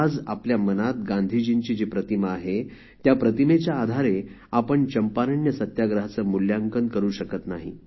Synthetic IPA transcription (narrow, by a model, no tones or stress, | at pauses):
d͡za̰pljamənat̪̚ɡand̪ʱid͡ʑint͡ɕiːd͡ʑepɾət̪iməaɦe | t̪japɾət̪imet͡ɕjaːd̪ʱaɾe | apəɳt͡ɕəmpaɾəɳjəsət̪jaɡɾəɦat͡səːmuljaŋkənkəɾuːɕəkət̪naɦḭ